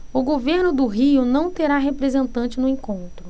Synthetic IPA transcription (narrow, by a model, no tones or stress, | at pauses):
ʊɡoveɾnʊd̪ʊɦiʊnɐ̃w̃t̪eɾaɦepɾezẽnt̪ɐ̃nt͡ʃɪnʊẽkõnt̪ɾʊ